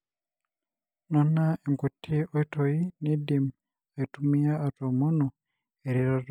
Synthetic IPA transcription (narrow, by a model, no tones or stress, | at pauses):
nonaeŋkutʰːioitojinidim | etumijaːtomuno | eɾiɾato